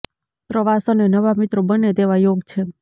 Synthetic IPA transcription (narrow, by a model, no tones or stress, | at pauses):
pɾəʋasənenəʋamɪt̪ɾobənet̪eʋajoɡt͡ʃʰe